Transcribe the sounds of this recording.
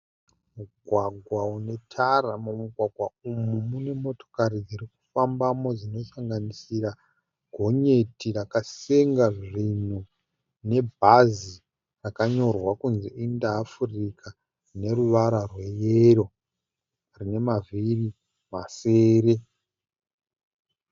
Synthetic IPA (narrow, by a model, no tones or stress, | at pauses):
muɡʱwaɡʱwaune̞tʰaramomuɡʱwaɡʱwaumumune̞mo̞to̥kaɾid͡ziɾiku̥fambamo̞d͡zino̞saŋɡanisiɾa | ɡʱo̞ɲe̞tirakaseŋɡaʐin̤u | ne̞bʱazi | rakaɲo̞rwakunziindaːfurikʰa | rne̞ɾuʋaɾarwe̞jeɾo̞ | rine̞maviri | maseːɾe̞